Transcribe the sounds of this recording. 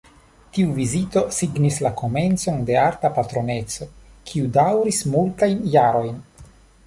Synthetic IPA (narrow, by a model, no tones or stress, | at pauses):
tiuvizito̞siɡnislako̞me̞nt͡so̞nde̞aɾtapatɾo̞ne̞t͡so̞kʰiudawɾismultajnjaɾo̞jn